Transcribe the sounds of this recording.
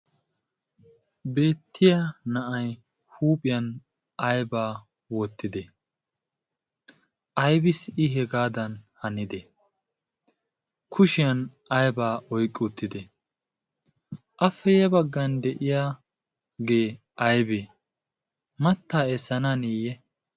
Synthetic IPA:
be̞ːt̪ːɪjɐnɐʔɐj | huːpʼɪjɐn | ʔɐjbaː | wɔt̪ːɪd̪ɛ | ʔɐjbɪsɪɦɛɡaːd̪ɐnhɐnɪd̪ɛ | kʰʊʃɪjɐn | ɐjbaːʔɔjkʼːut̪ːɪd̪ɛ | ʔɐfːɛjɛbɐɡːɐnd̪ɛʔɪjaː | ɡe̞ː | ʔɐjbe | mɐt̪ːaːɛsɐnanijɛ

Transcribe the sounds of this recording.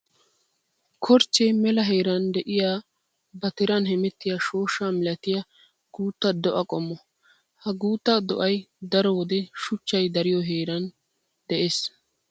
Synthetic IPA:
kʰɔɾt͡ʃːemɛlɐɦe̞ːɾɐnd̪ɛʔɪjaː | bɐt̪ɪɾɐnɦɛmɛt̪ːɪjaʃo̞ːʃaːmɪlɐt̪ɪjɐ | ɡ̥uːt̪ːɐd̪ɔʔɐkʼɔmːɔ | hɐɡuːt̪ːɐd̪ɔʔɐjd̪ɐɾɔwɔd̪ɛʃʊt͡ʃːɐjd̪ɐɾɪjɔɦeːɾɐn | d̪̥ɛʔeːs

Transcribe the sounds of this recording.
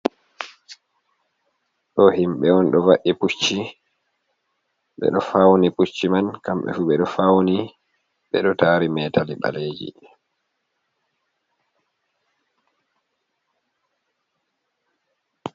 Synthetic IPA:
ɗɔhimɓɛɔnɗɔvaʔiput͡ʃːi | ɓɛ̰ɗɔfawniput͡ʃːimankamɓɛ̰fuɓɛɗɔfawni | ɓɛɗɔtaːɾimɛːtaliɓa̰leːd͡ʒḭ

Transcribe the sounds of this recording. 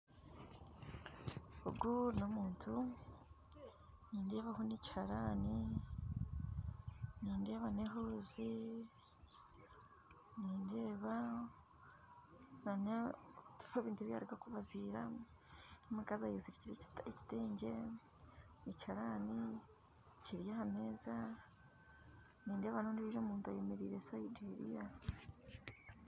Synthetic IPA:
o̰ɡuɾnomuːntʰu | niːndeːβaɦonici̥haɾaːni | niːnde̞ːβaneɦoːzi | niːnde̞ːβa | nantu̥feβiːntueβja̰ɾiɡakuβaziːɾa | omikazajezi̥ciɾieci̥teːɲɟe̞ | icaɾaːni | ciɾjahame̞ːza | niːnde̞ːβanondiβiɾoːmuːntuajemeɾiːɾesaideɾḭja

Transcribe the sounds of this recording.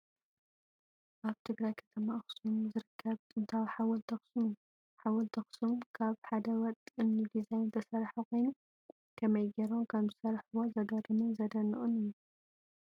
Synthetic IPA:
ʔaβt̪ʰɨɡɾajkʰɐ̥t̪ʰɐmaʔɨxsumzɨɾɨkʰːɐβt̪ʼɨnt̪ʰawħawɐlt̪ʰɐxsum | ħawɐlt̪ʰɐxsumkʰaβħad̪ɐwɐt̪ʼɨnnid̪izajnt̪ʰɐsɐɾħukʰo̞jnu | kʰɐmɐjɡeɾomkʰɐmzɨsɐɾħuwozɐd̪od̪ɨmɨnzɐd̪ɐnːɨʔʼunɨju

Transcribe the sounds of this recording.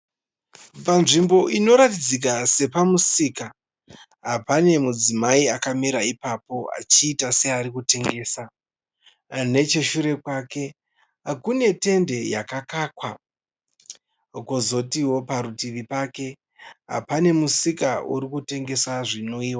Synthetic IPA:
panʐimbo̞ʔino̞ɾatid͡zik̬ase̞pamusiːka | ɦapane̞mud͡zimaiakameɾaipapo̞a̰t͡ʃiːtase̞aɾikute̞ŋɡe̞ːsa | ne̞t͡ʃe̞ʃuɾe̞kwake̞ | akune̞te̞nde̞jakakakwa | kozo̞tiwo̞paɾutiʋipake̞ | ɦa̰pane̞musikauɾikute̞ŋɡe̞saʐino̞iːwa

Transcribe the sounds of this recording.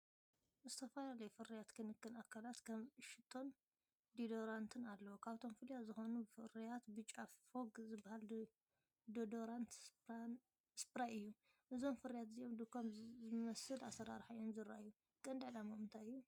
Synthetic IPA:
zɨt̪ʰɐfɐlalɐjufɨɾijat̪kʰɨnɨkːɨnakʰːalat̪kʰɐmʃɪt̪ʰːo̞n | d̪id̪oɾant̪ʰɨnalːɐwokʰaβt̪ʰo̞mfɨljazɨxonufɨɾijat̪bɨt͡ʃʼːafoɡzɨbahal | d̪od̪oɾant̪s | spɾaʔɨjːu | ʔɨzo̞mfɨɾijat̪zijo̞md̪ɨkʰomzɨmɐsɨlasɐɾa̰ɾħajonzɨɾajːu | kʼɐnd̪aʕlamɐmɨnt̪ʰajɨjːu

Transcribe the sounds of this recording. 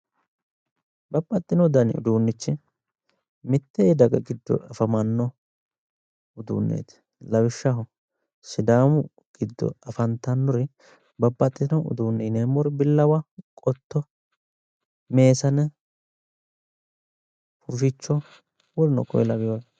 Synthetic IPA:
bɐbːɐt̪ʼːɪnɔd̪ɐnɪ̰ʊ̰d̪uːnːɪt͡ʃːɪ | mɪt̪ːɛd̪ɐɡɐ̰ɡɪd̪ːɔ̰ɐfɐmɐnːɔ | ʊd̪ṵːnːḛːt̪ɪ̥ | lɐwɪʃːɐɦʊ | sɪd̪aːmʊ | ɡ̥ɪd̪ːɔ̰ɐfɐnt̪ɐnːɔɾɪ | bɐbːɐt̪ʼːɪnɔʊ̰d̪uːnːɪneːmɔɾbɪlːɐwɐkʼɔt̪ːɔ | me̞ːsɐnɛ | pʊʃɪt͡ʃːɔ | wɔlnɔ̰kʰɔ̰jlɐwɪjoj

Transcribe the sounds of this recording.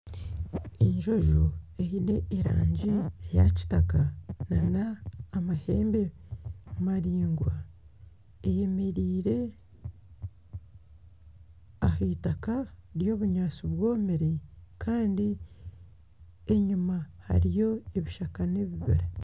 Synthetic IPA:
eɲʒo̞ʒoehine̞ʔːɾa̰ːɲɟiejaci̥takananaːmahe̞ːmbemumaɾiːŋɡwa | ejemeɾiːɾe̞ | aheːtakaɾjo̞ːβuɲaːt͡suβwo̞ːmeɾekʰaːndi | eɲumaha̰ɾijo̞eβiʃakane̞βiβḭɾa

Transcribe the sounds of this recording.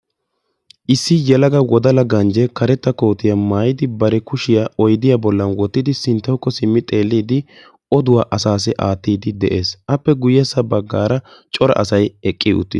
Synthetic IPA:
ʔɪsːɪjɛlɐɡɐwɔd̪ɐlɐɡɐnd͡ʒɛkɐɾɛt̪ːɐko̞ːt̪ɪjɐmaːjɪd̪ɪbɐɾɛkʊʃɪjaɔjd̪ɪjabɔlːɐnwɔt̪ːɪd̪ɪsɪnt̪ːɐwkːɔsɪmːɪt̪ʼe̞ːlːiːd̪ɪ | ɔd̪ʊwaːʔɐsaːs̬ɪʔaːt̪ːiːd̪ɪd̪ɛʔe̞ːsʔɐpːɛɡʊjɛsːɐbɐɡːaːɾɐt͡ʃʼɔɾɐ̰ʔɐ̰sɐjɛkʼːɪʊ̰t̪ːɪ̰

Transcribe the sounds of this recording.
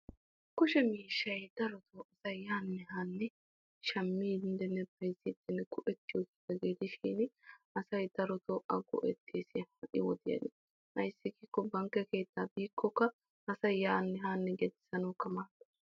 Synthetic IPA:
kʊʃɛmiːʃːɐjd̪̥ɐɾɔt̪ʰoːʔɐsɐjjaːnːɛɦaːnːɛ | ʃɐmːiːd̪ɪnd̪ɛnːɛbɐjziːt̪ːɛnːɛɡʊʔɛt̪ːɪjɔɡed̪ɐɡeːd̪ɪʃiːnɐsɐjd̪̥ɐɾɔt̪ɔːʔɐɡɔ̰ʔɛt̪ːisɪhɐʔɪ̰wɔd̪ɪjɐ̰nɪ | hɐjsːɪkikːɔbɐŋkːɛke̞ːt̪ːaːbiːkːɔkːɐ | ɐsɐjjaːnːɛɦaːnːɛɡɛd̪ɪ̥sɐnɔːkːɐmaːt̪ːɐ̥

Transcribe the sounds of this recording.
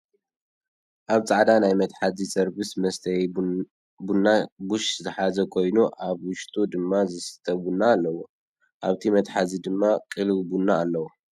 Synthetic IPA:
ʔaβt͡sʼaʕd̪anajmɐt̪ħazisɐɾbɨsmɐst̪ʰɐj | bunːaɡuʃzɨħazɐkʰo̞jnuʔaβwʊʃt̪ʼud̪ɨmːazɨsɨ̥t̪ʰɐbunːaːlːɐwu | ʔaβt̪ʰimɐt̪ħazid̪ɨmːakʼɨlβbunːaːlːɐwu

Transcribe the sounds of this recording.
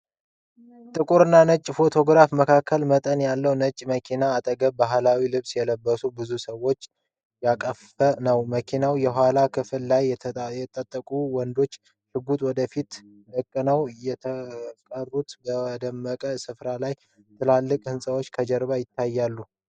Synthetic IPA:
t̪ʼɨkʼuɾɨnːanət͡ʃʼːfo̞t̪ʰo̞ɡɾafməkʰakʰːəlmət̪ʼənjalːəwnət͡ʃʼːməkʰinaːt̪ʼəɡəbaɦlawilɨβsjɛləbːəsubɨzusəwːo̞t͡ʃː | jakʼəf | ənəwməkʰinawjɛɦalakʰɨfɨlːajjɛt̪ʼət̪ʼːəkʼuwɔnd̪o̞t͡ʃː | ʃɨɡut̪ʼwɔd̪əfit̪ | ʔəkʼːɨnəwjɛəkʼərːut̪bəd̪əmːəkʼəsɨfɾalaj | t̪ʰɨlalːɨkʼhɨnsʼəwot͡ʃːkʰəd͡ʒəɾbajɪt̪ʰːajːalːu

